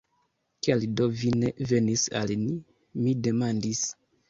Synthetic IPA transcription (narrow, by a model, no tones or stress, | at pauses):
kialidovine̞ve̞nisa̰lni | mide̞mandis